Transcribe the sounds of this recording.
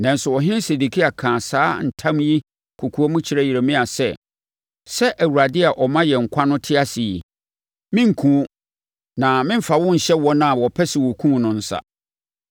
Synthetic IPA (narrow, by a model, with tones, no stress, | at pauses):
nã˨n̩˦sʊ˨wɔ˨ɦɪ̃˦nse˨du˨kʰi˦a˨kʰãː˨saː˦n̩˨tʰã˦mji˦ | kʰu˨kʰu˨ɔ˦mʊ̃˦t͡ɕʰɪ˨ɾɛ˦ji˨e˨mĩ˦a˨sɛ̰˦ | sɛ˦ʔæ˨wu˨ɾa˨dɪ˦a˨ʔɔ˨mã˦jɛ˨ŋ̩˨kʷʰa˦nʊ̃˦tʰɪ˦a˦sɪ˨i˨ | mɪ̃˦ŋ̩˨kʰũ˨˦ | nã˨mɪ̃˦m̩˦fa˨wʊ̃˦ɲ̩˨ɕɛ˦wɔ˦nã˦˨wɔ˨pʰɛ˦sɪ˨wɔ˨kʰũ˦˨nʊ̃˨n̩˦sa̰˨